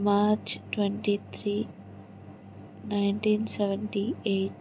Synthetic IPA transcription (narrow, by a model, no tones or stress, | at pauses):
maːɾt͡ʃʈwɛɳʈit̪ʰɾiː | najnʈiːnsɛʋɛɳʈieːʈ